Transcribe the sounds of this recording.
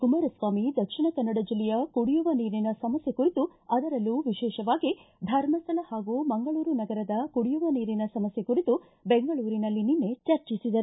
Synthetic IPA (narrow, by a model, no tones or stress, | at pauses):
kumɐɾɐsʋaːmid̪ɐkʂiɳɐkɐnːɐɽɐd͡ʒilːɛjɐkuɽijuʋɐniːɾinɐsɐmɐsjekuɾit̪uɐd̪ɐɾɐlːuʋiʃɛːʃɐʋaːɡid̪ʱɐɾmɐst̪ʰɐlɐhaːɡuːmɐŋɡɐɭuːɾunɐɡɐɾɐd̪ɐkuɽijuʋɐniːɾinɐsɐmɐsjekuɾit̪u | beŋɡɐɭuːɾinɐlːininːe̞t͡ʃɐɾt͡ʃisid̪ɐɾu